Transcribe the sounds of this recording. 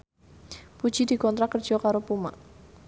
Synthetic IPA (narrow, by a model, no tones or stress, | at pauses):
pud̥d͡ʒidikɔnt̪ɾakərd̥d͡ʒɔkaɾopuma̰ʔ